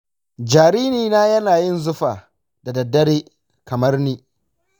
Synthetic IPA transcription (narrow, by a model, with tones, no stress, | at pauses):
d͡ʒaː˨ɾiː˦niː˨naː˦jɐ˦naː˨jɪ˦˨nzʊ˦ɸaː˨ | da˨dɐ˨dːɐ˦ɽeː˦ | kɐ˨mɐ˦rniː˦